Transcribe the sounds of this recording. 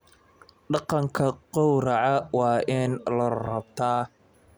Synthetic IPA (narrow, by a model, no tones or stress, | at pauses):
ɖɑqɑŋkʰɐqɔwɾɐʕɐwɑːʔɪnlɐrɐbt̪ʰaː